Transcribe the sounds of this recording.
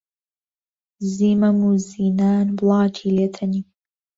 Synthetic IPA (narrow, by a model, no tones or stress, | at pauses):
ziːmɐmuːziːnaːnblˠɑːt͡ʃʰiːleːt̪ʰɐniː